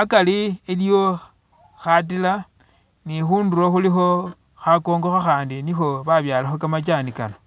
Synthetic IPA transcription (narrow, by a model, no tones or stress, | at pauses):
akaliiljo̞ | xat̬ila | nixuːnduroxulixo̞ | xako̞ːŋɡo̞xaxaːndinixo̞βaβjaːlaxokamat͡ʃanikano